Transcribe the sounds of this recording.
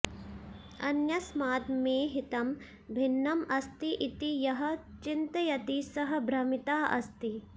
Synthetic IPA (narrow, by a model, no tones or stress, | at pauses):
ɐnjɐsmaːt̪meːɦit̪ɐm | bʱinːɐmɐst̪iʔit̪ijɐɦɐ̆t͡ʃint̪ɐjɐt̪isɐɦɐ̆bʱɾɐmit̪aːɐ̰st̪i